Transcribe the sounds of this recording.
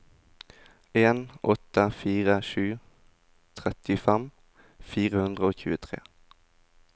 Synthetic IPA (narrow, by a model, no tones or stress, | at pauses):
eːnɔt̪əfiːʁəʃʉː | t̪ʰʁɛt̪ɪfɛm | fiːʁəhʉnd̪ʁəoːçʉːət̪ʰʁḛː